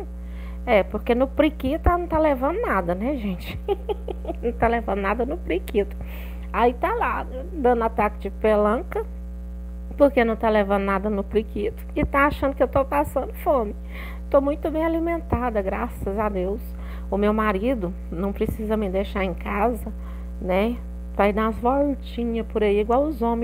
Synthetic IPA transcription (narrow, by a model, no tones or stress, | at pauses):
ɛpoɾkenʊpɾikit̪ʊanɐ̃w̃t̪alevɐ̃d̪ʊnad̪ɐnɛʒẽt͡ʃɪ̥ | nɐ̃w̃t̪alevɐ̃d̪ʊnad̪ɐnʊpɾikit̪ʊ̥ | ait̪ala | d̪ɐ̃nd̪ʊat̪akɪd͡ʒɪpelɐ̃kɐ | poɾkenɐ̃w̃t̪alevɐ̃nd̪ʊnad̪ɐnʊpɾikit̪ʊ̥ɪt̪aaʃɐ̃nd̪ʊkewt̪opasɐ̃nd̪ʊfõmɪ | t̪omũj̃t̪ʊbẽj̃alimẽnt̪ad̪ɐɡɾasɐzad̪ews | ʊmewmaɾid̪ʊ | nɐ̃w̃pɾesizɐmɪd̪ejʃaɾẽkazɐ | nɛ | vaid̪ɐzvolt͡ʃĩɲɐpʊɾaiiɡwawʊzõmẽ